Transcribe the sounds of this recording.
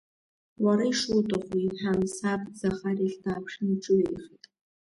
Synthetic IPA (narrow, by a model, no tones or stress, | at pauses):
waɾaiʂutʼɨχʷiħamsapʼzaχariɬdaːpʰʂnʈ͡ʂʼɨwiχitʼ